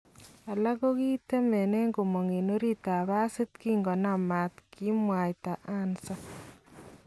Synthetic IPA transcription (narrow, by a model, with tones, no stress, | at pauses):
a˨la˦ɣo˦ɣi˦te˦me˨ne˦ŋɡo˨mo˨ŋe˨no˦ɾi˦ta˨βa˦si˦t̪ki˦ŋɡɔ˨na˦˨ma˨t̪ki˦mwa˨ta˨ʔa˦nsa˦